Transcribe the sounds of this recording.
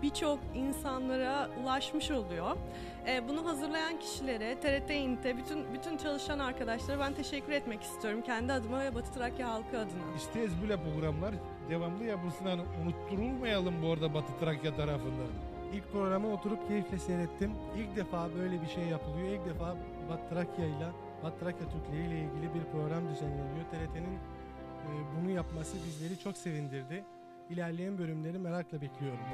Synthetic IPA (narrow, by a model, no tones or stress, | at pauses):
b̥it͡ʃʰo̞kinsanlˠaɾalˠaʃmɯʃo̞lˠujo | ɛbunuɦazɯɾlˠajancʰi̥ʃilʲe̞ɾɛt̪ʰeɾɛt̪ʰejint̪ʰɛbyt̪ʰynbyt̪ʰynt͡ʃʰalˠɯʃanaɾkad̪aʃlˠaɾabænt̪ʰe̞ʃɛcʰːyɾɛt̪mɛci̥st̪ʰijo̞ɾumcʰɛnd̪iad̪ɯnavɛbat̪ʰɯ̥t̪ʰɾakjaɦalˠkʰɯad̪ɯnaist̪ʰɛɛzbylʲɛpɾo̞ɡɾamlˠaɾ | d̪e̞vamd̪ˠɯjapɯlˠsɯnaniunut̪ʰːuɾulˠmajalˠɯmbuoɾd̪abat̪ʰɯ̥t̪ʰɾakjat̪ʰaɾafɯnd̪a | ilʲc̚pɾo̞ɡɾamɯo̞t̪ʰuɾupcʰe̞jiflʲɛseɾɛt̪ʰːimilʲcd̪e̞faːbø̞jlʲebiʃe̞jːapʰɯlˠɯjo̞ilʲc̚d̪e̞faː | bat̪ʰːɾakjajlˠa | bat̪ʰːɾakjat̪ʰyɾclʲeijlʲɛilʲɟilʲibiɾpɾo̞ɡɾamd̪yzæniolʲˠijo̞t̪ʰe̞lʲe̞t̪ʰe̞ninː | bunujapmasɯbizlʲe̞ɾit͡ʃʰo̞kse̞vind̪iɾd̪ɪ | ilʲæɾlʲejænbø̞lʲymlʲe̞ɾimeɾaklˠabeclʲijo̞ɾum